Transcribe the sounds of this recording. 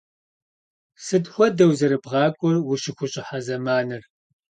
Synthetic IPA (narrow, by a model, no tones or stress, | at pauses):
sɨdxʷɔdɐwzɐɾɨbʁɑːkʷʼɔrwʊʃɪxʷʊɕʼɪħazɐmaːnɨr